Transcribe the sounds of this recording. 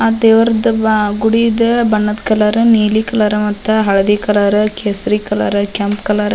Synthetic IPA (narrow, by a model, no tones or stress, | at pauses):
ad̪eːʋɐɾɐd̪ɨɡuɽid̪ɐbɐɳːɐd̪kɐlɐɾɨniːlikɐlɐɾɐmɐt̪ːɐɦɐɭɐd̪ikɐlɐɾɨkeːsɾikɐlɐɾɐkɐmpkɐlɐɾ